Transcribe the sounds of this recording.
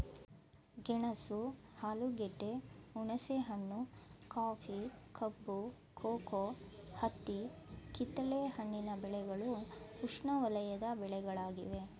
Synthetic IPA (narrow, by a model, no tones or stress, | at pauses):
ɡɛɳɐsuhaːluɡeɖːeuɳɐseɦɐɳːukaːpʰikɐbːu | kʰoːkohɐt̪ːikit̪ːɐlehɐɳːinɐbɛɭɛɡɐɭuuʂɳɐʋɐlɐjɐd̪ɐbɛɭɛɡɐɭaːɡḭʋe̞